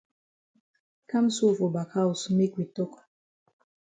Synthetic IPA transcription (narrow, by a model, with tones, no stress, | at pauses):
ka˦m̩˦su˦˨vo˨ba˨ka˦u˨su˦mi˦kwi˨tɔ˦kḁ˨